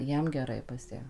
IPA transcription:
ˈjiɛm ɡʲɛˈrɐɪ pɐs ˈjæː

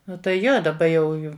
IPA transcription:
ˈnʊ tɐɪ ˈjoː dɐˈbɐ jɛʊ ˈjʊ

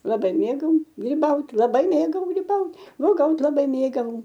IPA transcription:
lˠɐˈbɐɪ ˈmʲeːɡɐʊ ɡrʲiːˈbɐʊtʲ lˠɐˈbɐɪ ˈmʲeːɡɐʊ ɡrʲiːˈbɐʊt uɔˈɡɐʊtʲ lˠɐˈbɐɪ ˈmʲeːɡɐʊ

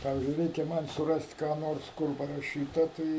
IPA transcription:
ˈpɑːʋʲɪzʲd͡ʒʲʊɪ ˈrʲɛɪkʲɛ ˈmɐnʲ sʊˈrɐsʲtʲ ˈkɑː ˈnoːrs ˈkʊr pɐrɐˈʃʲiːtɐ ˈtɐɪ

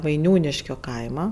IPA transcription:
ʋɐɪˈnʲuːnʲɪʃʲkʲoː ˈkɐɪmɐ

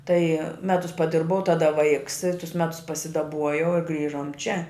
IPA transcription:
tɐɪ ˈmʲæːtʊs pɐˈdʲɪrbɐʊ ˈtɑːdɐ ˈʋɐɪks ɪ tʊs ˈmʲæːtʊs pɐsʲɪdɐˈbuɔjɛʊ ɪr ˈɡrʲiːʒoːm t͡ʃʲɛ

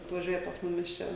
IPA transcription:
ɐtʋɐˈʒʲuɔjɛ pɐs ˈmʊmʲɪs ˈt͡ʃʲɛ

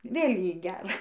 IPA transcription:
ˈʋʲeːlʲ ˈjɛɪ ˈɡʲærɐ

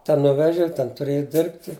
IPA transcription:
ˈtʲɛn ˈnʊʋʲɛʒʲɪ ˈtʲɛn tʊˈrʲeːjɪ ˈdʲɪrʲpʲtʲɪ

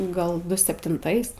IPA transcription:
ˈɡɐlˠ ˈdʊ sʲɛpʲtʲɪnˈtɐɪs

